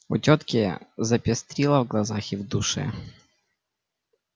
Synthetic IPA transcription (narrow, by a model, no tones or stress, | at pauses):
ʊ̰tʲot̪kʲɪzɐpʲɪst̪ɾʲilˠɐvɡlˠɐzaxɪvd̪ʊʂɛ̰